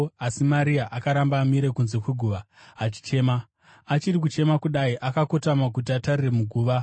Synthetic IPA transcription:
asimaɾiaʔakaɾambaːmiɾe̞kunze̞kweɡʱuʋaː | t͡ʃi̥t͡ʃe̞ma | at͡ʃirik̬ut͡ʃe̞makuɗaiʔakako̞tamakut̬iatarire̞muɡʱuːʋa

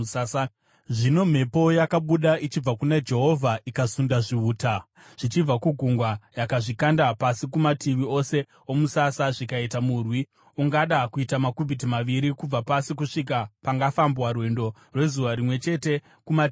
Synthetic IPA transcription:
a | ʐino̞m̤e̞po̞jakaɓuɗait͡ʃib͡vakunad͡ʒe̞ɦo̞vʱaʔikasundaʐiuːta | ʐ̥it͡ʃib͡vakuɡʱuŋɡwajakaʐikandapasikumatiʋio̞se̞ | o̞musasaʐikaitamurwi | uŋɡaɗakuitamakubʱit̬imaʋiɾikub͡vapasik̬uʂik̬apaŋɡafambwarwe̞ndo̞ | rwe̞zuʋaɾimwe̞t͡ʃe̞te̞ | kumat

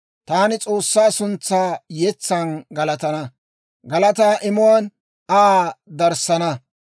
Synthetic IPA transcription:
t̪aːnɪt͡sʼoːsːaːsʊnt͡sːaːjɛt͡sːɐnɡɐlɐt̪ɐnɐ | ɡɐlɐt̪aːʔɪmʊwɐn | ad̪ɐɾsɐnɐ

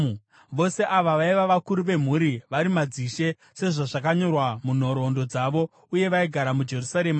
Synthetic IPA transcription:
ʋo̞se̞ʔaʋaʋaiʋaʋakuɾuʋe̞m̤uɾiʋaɾimad͡ziʃe̞ | se̞ʐaʐakaɲo̞rwamun̤o̞ɾo̞ndo̞d͡zaʋo̞ | uje̞ʋaiɡʱaɾamud͡ʒe̞rusaɾema

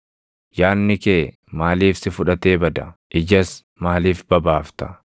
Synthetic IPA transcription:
jaːnːɪkeː | maːliːfsɪfʊᶑɐt̪e̞ːbɐd̪ɐʔɪd͡ʒɐs | maːliːfbɐbaːft̪ɐ̥

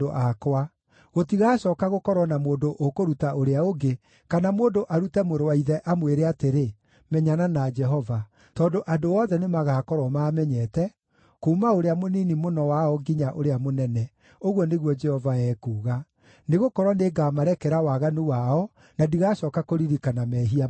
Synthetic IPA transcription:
oʔakwa | ɣotiɣaɕɔːkaɣokɔɾɔnamoːndoʔokoɾutaoɾeaoɡe | kanamoːndoʔaɾutɛmoɾowaiðɛʔamweɾeateɾe | mɛɲananad͡ʒɛɦɔva | tɔːndoʔadoɔːðɛnemaɣakɔɾwɔmaːmɛɲɛtɛ | koːmaoɾeamoninimonɔwaɔɡiɲaʔoɾeamonɛnɛ | oɣwɔneɣwɔd͡ʒɛhɔvaɛːkuːɣa | neɣokɔɾwɔneɡamaɾɛkɛɾawaɣanuwaɔ | nadiɣaɕɔːkakoɾiɾikanamɛːɦia

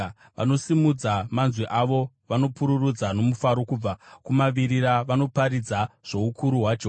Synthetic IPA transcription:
ʋa̰no̞simud͡zamanzwiʔaʋo̞ | ʋano̞puɾurud͡zano̞mufaɾo̞kub͡vakumaʋiɾiɾaʋano̞paɾid͡zaʐ̥o̞ukʰuɾuɦwad͡ʒe

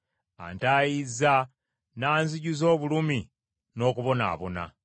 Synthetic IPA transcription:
a̰ntaːjiza | naːnziɟuzo̞ːβulumi | no̞ːkuβo̞na̰ːβo̞̰na̰

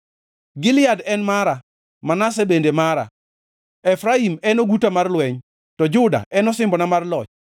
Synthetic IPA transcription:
ɡɪlɪadɛnmaɾa | manas̬ebendemaɾa̰ | ɛfɾaimɛnoɡutamarlwɛɲ | tɔd͡ʒʊda̰ɛnɔsɪmbɔnamarlɔt͡ʃ

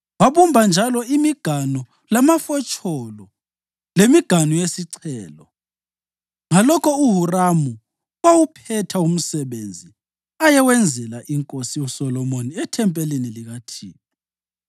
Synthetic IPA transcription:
waβumbʱand͡ʒʱalɔimiɡ̥ʱanɔ | lamafɔt͡ʃʼɔlɔ | lemiɡ̥ʱanɔjesiǀʰɛːlɔ | ŋalɔkʰɔuɦuramu | wawupʰɛtʰaum̩sɛβend͡zʱi | ajɛwɛnd͡zʱɛlaʔiŋkʼosijɔsɔlɔmoniɛtʰɛmpʼɛliniliɣatʰiːwɔ

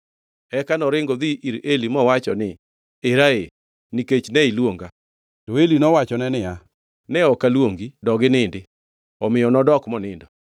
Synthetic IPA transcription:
ɛkanɔɾɪŋɡɔðiʔiɾelimɔwat͡ʃɔnɪ | eɾae | niket͡ʃnɛilwoŋɡa | tɔelinɔwat͡ʃɔnɛnɪa | nɛɔkalwoŋɡidɔɡɪnɪndɪ | ɔmɪjɔnɔdɔkmɔnɪndɔ

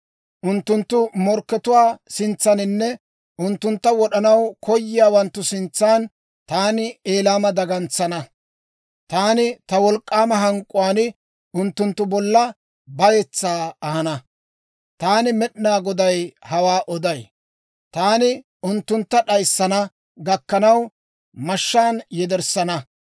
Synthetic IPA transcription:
ʔʊnt̪ːʊnt̪ːʊmɔɾkːɛt̪ʊwaːsɪnt͡sːɐnɪnːɛ | ʔʊnt̪ːʊnt̪ːɐwɔɗɐnɐwkʰɔjːɪjaːwɐnt̪ːʊsɪnt͡sːaːn | t̪aːnɪeːlaːmɐd̪ɐɡɐnt͡sːɐnɐ | t̪aːnɪt̪ɐwɔlkʼːaːmɐɦɐŋkʼːʊwaːnɪ | ʊnt̪ːʊnt̪ːʊbɔlːɐ | bɐjɛt͡sːaːɐhɐnɐ | t̪aːnɪmɛɗnaːɡɔd̪ɐjhɐwaːʔɔd̪ɐj | t̪aːnɪ | ʊnt̪ːʊnt̪ːɐɗɐjsːɐnɐ | ɡɐkːɐnɐw | mɐʃːaːnjɛd̪ɛɾsɐnɐ

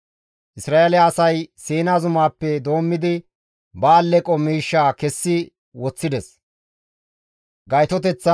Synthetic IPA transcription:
ʔɪsɾaːʔelɪjaːsɐjsiːnazʊmaːpːɛd̪o̞ːmːɪd̪ɪ | bɐːlːɛkʼɔmiːʃːaːkɛsːɪ | wɔt͡sːɪd̪ɛs | ɡɐjt̪ɔt̪ɛt͡sːɐ

